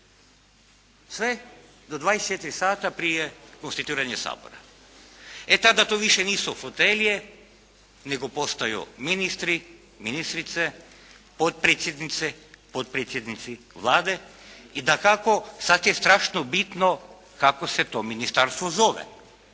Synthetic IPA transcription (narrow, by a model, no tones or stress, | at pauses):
sʋe | d̪od̪ʋaːdest͡ʃet̪ɾisaːt̪apɾijekonst̪it̪iːɾaɲesa̰ːbo̰ɾa | et̪ad̪at̪oːʋiʃeniːsuhot̪elje | neɡopost̪ajṵminist̪ɾi | minist̪ɾit̪se | pot̪̚pɾeːt̪sjed̪nit̪sepot̪̚pɾet̪sʲjed̪nit̪si | ʋlˠaːd̪eid̪akakosat̪jest̪ɾaːʃnobit̪no | kakoset̪ominist̪aɾst̪ʋozoʋḛ